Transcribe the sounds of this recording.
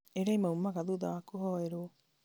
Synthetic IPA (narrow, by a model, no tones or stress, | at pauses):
eɾaimaumaɣaðuðawakoɦɔeɾo